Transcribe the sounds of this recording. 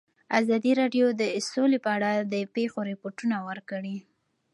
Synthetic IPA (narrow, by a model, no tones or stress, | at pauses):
azɑd̪iɾɑɖjod̪əsolepəaɽad̪əpexoɾɪpoʈunawəɾkəɽi